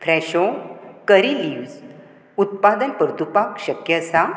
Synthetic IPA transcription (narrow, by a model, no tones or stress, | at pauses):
fɾɛɕokəɾiliʋz | ut̪̚pad̪ənpəɾt̪upakɕəkjəsa